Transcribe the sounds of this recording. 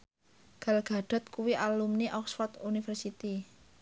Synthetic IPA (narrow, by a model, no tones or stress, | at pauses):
ɡ̥a̤lɡ̥a̤ɖ̥a̤t̪̚kuwiʔalumniʔɔkswat̪unifərsit̪i